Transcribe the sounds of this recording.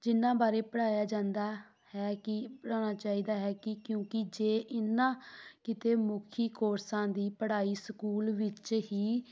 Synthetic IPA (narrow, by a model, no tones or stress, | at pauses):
d͡ʒɪnːãːbaːɾeːpəɽaːjaːd͡ʒãːnd̪aː | hɛːkɪpəɽaːñaːt͡ʃaːiːd̪aːɦɛːkɪkjõːkɪd͡ʒeːʔɪnːãːkɪt̪eːmʊkʰiːkoːɾsãːd̪iːpəɽaːiːsəkuːlʋɪt͡ʃɦiː